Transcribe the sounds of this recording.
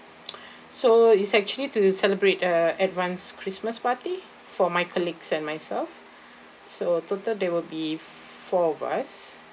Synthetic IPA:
soitsɛk̚t͡ʃuəlitusɛləbɹetəɛtvãnskʰɹisməspati | fɔmajkʰɔliɡsɛ̃nmajsɛlf | sototəldɛwilbi | fɔva̰s

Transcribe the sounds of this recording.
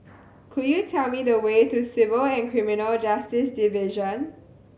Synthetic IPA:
kʰujutʰɛlmidəwetusɪvəlɛ̃nkʰɹiminəld͡ʒastɪsdivɪʒə̃n

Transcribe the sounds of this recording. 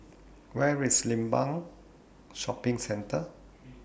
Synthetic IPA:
wɛɹislĩmbãŋ | ʃɔpɪ̃ŋsɛ̃ntə

